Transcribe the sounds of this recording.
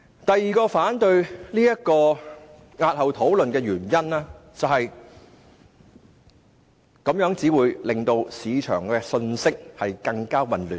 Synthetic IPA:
t̪ɐ˨jːiː˨˧kɔː˧faː˨˥nt̪ɵ˧ɥliː˥jɐ˥t̚kɔː˧ | ŋaː˧t̚hɐ˨˩wt̪ʰo˨˥wlɵ˨nkɛː˧ɥyː˨˩njɐ˥naː˥t͡sɐ˨wɦɐ˨j | kɐ˨˥mjœː˨˥ŋt͡siː˨˥wuː˨˧jlɪ˨˩ŋt̪o˧wsiː˨˧t͡ʃʰœ̰ː˨˩ŋkɛː˧sɵ˧nsɪ˥k̚hɐ˨jkɐ˧ŋkaː˥wɐ˨nlyː˨˩n

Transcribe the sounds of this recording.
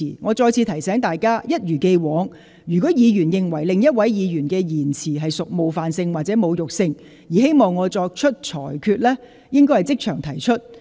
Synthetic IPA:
iː˨˩ŋɔː˨˧t͡sɔː˧jt͡sʰiː˨˧t̪ʰɐ˨˩jsɛː˨˥ŋt̪aː˨jkaː˥jɐ˥t̚jyː˨˩ke˧jwɔː˨˥ŋ | jyː˨˩kɔː˨˥jiː˨˧ɥyː˨˩njɪ˨ŋwɐ˨˩jlɪ˨ŋjɐ˥t̚wɐ˨˥jjiː˨˧jyː˨˩nkɛː˧jiː˨˩nt͡sʰiː˨˩ɦɐ˨jsʊ˨k̚mo˨˧wfaː˨nsɪ˧ŋwaː˨t̚t͡sɛː˨˥mo˨˧wjʊ˨k̚sɪ˧ŋ | jiː˨˩he˥jmɔː˨ŋːɔː˨˧t͡sɔː˧k̚t͡ʃʰɵ˥t̚t͡ʃʰɔ̰ː˨˩jkʰyː˧t̚lɛː˥ | jɪ˥ŋk̬ɔː˥jhɐ˨jt͡sɪ˥k̚t͡ʃʰœː˨˩ŋt̪ʰɐ˨˩jt͡ʃʰɵ˥t̚

